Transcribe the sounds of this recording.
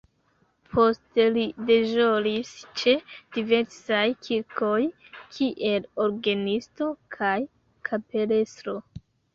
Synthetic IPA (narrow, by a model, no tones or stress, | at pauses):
pʰo̞ste̞lide̞ʒolist͡ʃe̞d̥ive̞ɾsajkʰiɾko̞jkʰiʔe̞loɾɡanisto̞kʰaj | kʰape̞le̞stɾo